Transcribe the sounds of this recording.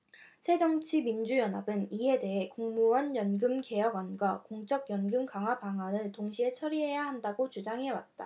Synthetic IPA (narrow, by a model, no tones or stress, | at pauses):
sʰe̞d͡ʑʌŋt͡ɕʰimind͡ʑujʌnabɯnie̞de̞ɦe̞koŋmuwʌnjʌnɡɯmke̞jʌɡwʌnɡwakoŋt͡ɕ͈ʌɡjʌnɡɯmkaŋɦwabaŋɦanɯɭtoŋɕʰiet͡ɕʰʌɾiɦe̞jaɦandaɡot͡ɕud͡ʑaŋɦe̞wa̰t̚t͈a̰